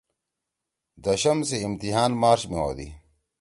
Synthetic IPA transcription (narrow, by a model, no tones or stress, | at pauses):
d̪ɐɕɐmseimt̪iɦaːnmaːɾɕmiwo̰ːd̪ḭ